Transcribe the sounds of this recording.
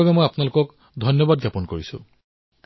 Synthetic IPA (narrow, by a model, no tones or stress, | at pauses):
abɛmojapʊnalʊkɔk | dʱɔnjɔbad̚ɡjapɔnkoɹisʊ̰̃